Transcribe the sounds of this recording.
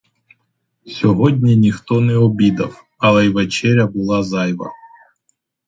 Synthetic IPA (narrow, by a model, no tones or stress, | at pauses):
sʲɔɦɔdʲnʲinʲixt̪ɔnɛɔbʲid̪ɐf | ɐlˠɛjʋet͡ʃɛɾʲɐbʊlˠɑzɑjʋɐ̰